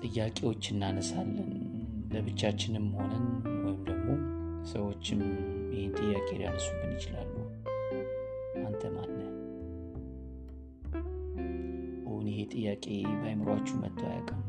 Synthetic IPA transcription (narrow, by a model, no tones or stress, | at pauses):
t̪ʼɨjːakʼe̞wo̞t͡ʃːɨnːanəsalːən | ləβɨt͡ʃːat͡ʃːɪnɨmːho̞nənwɔjɪmd̪əɡmo̞ | səwo̞t͡ʃːɪmjɪhent̪ʼɨjːakʼe̞lja̰nəsubːɨnjɪt͡ʃɪla̰lːuh | ʔant̪ʰəmanna | ʔɨhunjɪɦe̞t̪ʼɨjːakʼe̞bajməɾwat͡ʃːumə̰t̪ʰːaja̰kʼə